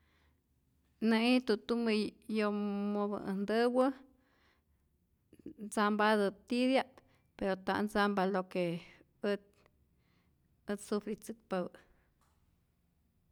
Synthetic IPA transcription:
nɨit̪ut̪umɨjomobɨ̰nd̪ɨwɨ | nd͡zambad̪ɨt̪id̪jat̪ | peɾot̪a̰ʔnd͡zambaloke | ət̪̚ | ət̪sufɾit͡sɨk̚paw

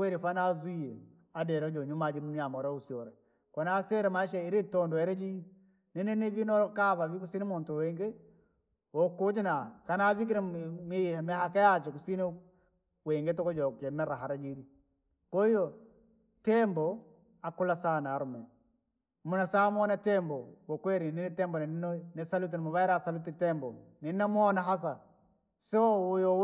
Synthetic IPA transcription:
weɾifanazwije | adɛɾɔd͡ʒɔɲumad͡ʒinuniamɔɾausiɔɾɛ | kɔnasɛɾɛmaʃɛiɾitɔndɔɛɾɛd͡ʒi | nɛnɛnevinɔɾkaβavikusinemontɔwɛŋɡe | ɔkod͡ʒinakanavik̬iɾɛmimɛhakajat͡ʃɛkusine | weŋɡetɔkɔd͡ʒɔkɛmɛɾaɦaɾad͡ʒiɾi | koijo | tɛmbɔ | akulasaːnaɾumɛ | munasaːmɔnatɛmbowokweɾininɛtɛmbɔnɛninonesalut̬inmoβajɾasalutitɛmbɔ̰ninamɔːnaɦas̬a | seɔwjo

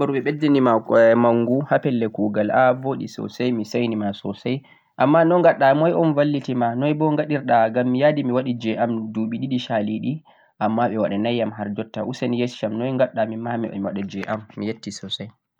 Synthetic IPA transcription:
ɔɾuɓɛɓedinimamaŋɡuhapɛlːɛkuːɡalavoɗḭsɔ̰sajmisajnimasɔsaj | ʔamːanɔŋɡaɗːamɔjɔnvalːitimanɔjbɔŋɡaɗiɾɗaɡamːijadimiwaɗid͡ʒɛʔamduɓiɗiɗiʃaliɗi | ʔamːaɓɛwaɗanajːamɦaɾd͡ʒɔtːa̰ʔusanijesʃamnɔjŋɡaɗːamimamiwɛ̰miwa̰ɗad͡ʒɛʔamːijetːisɔsaj

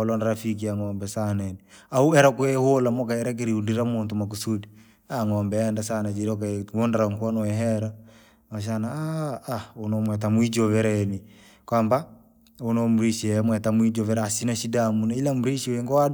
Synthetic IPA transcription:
ɔlɔndaɾafik̬iaŋɔmbɛsananiauɛɾakwɛholamɔkaɛɾak̬iɾiundiɾamuntumak̬usudi | aŋɔmbɛːndasanad͡ʒiɾɔkaondaɾaŋkwɔnɔɛɦɛɾa | aʃ̬anaaː | onɔmwɛt̬amuid͡ʒɔvɛɾaɛni | kwamba | onɔmuɾiʃiɛmwɛtamuid͡ʒɔvɛɾasinaʃidamunailamuɾiʃiwɛŋɡɔwa

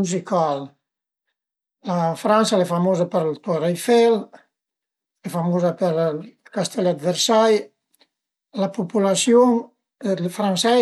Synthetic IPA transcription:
uzikal | lafɾansalɛfamoːzapəɾlt̪orajfɛl | lɛfamoːzapəɾkast̪ʰɛlad̪vɛɾsaj | lapupulasjoŋ | lfɾansɛ

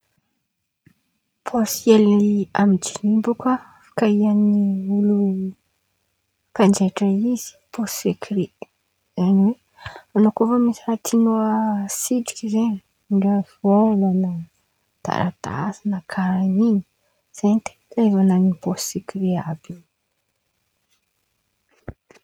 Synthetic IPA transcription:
pʰosielniamid͡ʒinimbuka | fḁkaianiulu | kand͡ʒeʈ͡ʂəiz̥i̥pʰossekiɾe | z̥aniwe | anokofamisiɾat̪ʰinoəsidi̥kʲizeɲi | ɳɖ͡ʐefolana | t̪a̰ɾa̰t̪a̰sinakʰaɾaniɲi̥ | z̥ent̪e̥kaevananiposekiɾeabin

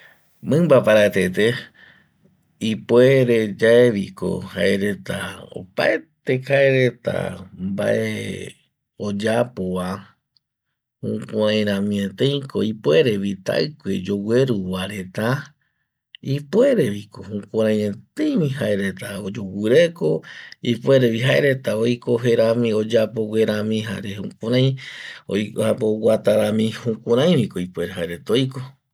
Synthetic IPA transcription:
mɨ̃mbapaɾat̪et̪e | ipweɾed͡ʒaeʋiko̞̰ha̰eɾe̞t̪a̰o̰paet̪ekaeɾe̞t̪a̰mba̰ʔḛ | od͡ʒapoʋa | hũkʷãɾãj̃ɾãmĩet̪ẽj̃ko̞ipwe̞ɾe̞βit̪a̰ɨkʷḛd͡ʒo̞we̞ɾuβaɾe̞t̪a | ipweɾe̞βikohũkʷãɾ̃ãj̃ẽt̪ẽjmĩhaeɾe̞t̪aod͡ʒowɨɾeko̞ipwe̞ɾeβiɦaeɾe̞t̪aojko̞ɦe̞ɾamĩo̞d͡ʒapo̞we̞ɾãmĩɦa̰ɾehũkʷãɾãj̃o̰japowat̪aɾãmĩhukʷãɾãj̃βikoipwe̞ɾeɦaeɾe̞t̪aojko̞

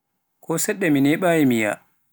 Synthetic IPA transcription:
kɔsɛɗːɛminɛɓajimija̰

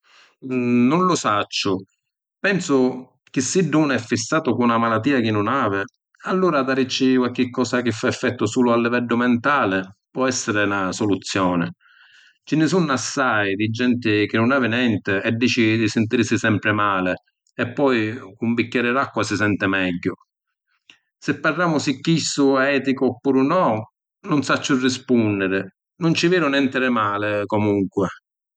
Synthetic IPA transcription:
nʊnlʊsat͡ʃːʊ | pɛnsʊ | k̟ɪsːiɖːunɛfːisːaːt̪ʊkunamalat̪ːiːak̟ɪnːʊnaːvɪ | alːuːɾad̪aɾit͡ʃːikwalk̟ɪkːɔːsak̟ɪfːaɛfːɛt̪ːʊsuːlʊalːivɛɖːʊmɛnt̪aːlɪpwɔɛsːɪɾɪnasɔlut̪sːjɔːnɪ̰ | t͡ʃɪnɪsunːasːajd̪ɪd͡ʒɛnt̪ɪk̟ɪnːʊnɛːvɪnɛnt̪ɪɛdːiːt͡ʃɪd̪isɪnt̪iɾsisɛmpɾɪmaːlɪ | ɛpːɔjumbicːɛɾɪɾakːwasɪsɛnt̪ɪmɛɟːʊ | sɪpːarːaːmʊsɪkːisːʊɛːt̪ikʊɔpːuːɾʊnɔ | nʊnsat͡ʃːʊrːispunːɪɾɪ | nʊnt͡ʃɪvɛːnʊnɛnt̪ɪɾɛmaːlɪkɔmuŋkwɪ

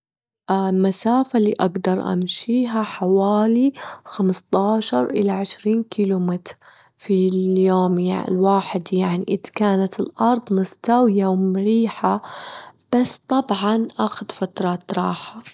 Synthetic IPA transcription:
ʔlmasaːfalḭːʔaɡd̪ɑɾˤʔa̰mʃiːɦaħawaːlixamst̪ˤɑːʃɑɾˤʔɪlaʕɪʃɾiːnkilumɪt̪ɾ | filjoːmja̰lwaːħɪd̪jaʕnḭʔɪd̪kaːnat̪ɪlʔɑɾˤd̪ˤmʊst̪awjawmɾiːħa | b̥asːt̪ˤɑbʕɑnʔaxʊd̪fat̪ɾˤɑːt̪ɾˤɑːħa

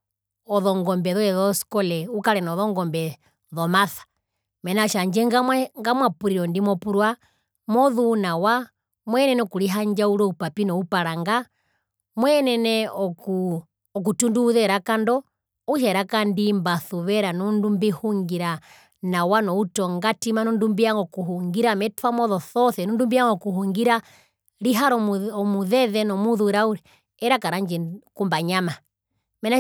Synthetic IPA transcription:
ɔðɔŋɡɔmbɛðɔjɛðɔskɔlɛukaɾɛnɔðɔŋɡɔmbɛ | ðɔmaθḁ | mɛnaʃaɲd͡ʒɛŋaŋɡamwapuɾiɾɔndimɔpuɾwa | mɔðunawa | mwɛnɛnɛɔkuɾiɦaɲd͡ʒauɾɔupapinɔupaɾaŋɡa | mwɛnɛnɛɔku | ɔk̬utunduːðɛɾakandɔ | uʃ̬ɛɾakandimbaθuβɛɾanɔndumbihuŋɡiɾa | nawanɔutɔŋɡatimanɔndumbiaŋɡɔkuɦuŋɡiɾamɛtwamɔðɔθɔθɛnɔndumbiaŋɡɔkuɦuŋɡiɾa | ɾiɦaɾɔɔmuðɛðɛnɔmuðuɾauɾɛ | ɛɾakaɾaɲd͡ʒɛkumbaɲama | mɛna

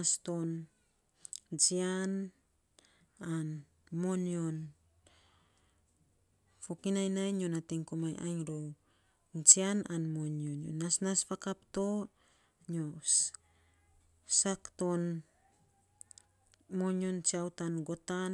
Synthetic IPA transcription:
asto̞n | d͡ʒian | an | mo̞njon | fokinajnajɲonatiŋkomajʔa̰jŋɾow | d͡ʒiananmonjonjo̰nːasnaspakapto̞ | ɲo | sakto̞n | mo̞njont͡ʃiawtanɡo̞tan

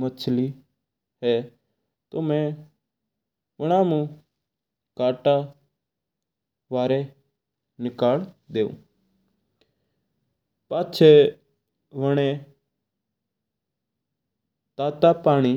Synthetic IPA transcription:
mət͡ʃʰliː | ɦɛː | t̪oːmɛ̃ː | ʋəɽ̃ãːmũː | kaːʈaː | ʋaːɾeː | nɪkaːld̪eːṵ̃ː | paːt͡ʃʰeː | ʋəɽ̃ẽː | t̪aːt̪aːpaːɽ̃iː

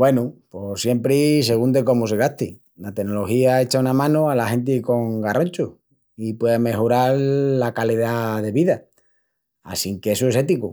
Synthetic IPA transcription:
we̞nupo̞sje̞mpɾise̞ɣund̪eko̞mus̬eɣat̪i | lat̪e̞nːolo̞hiae̞t͡ʃaunamãnualaɦe̞nt̪̬iko̞ŋɡarʔoɲt͡ʃu | ipwe̞ðeme̞xoɾaɾlakaliðaðe̞βiða | a̰siŋkesoe̞se̞t̪iku

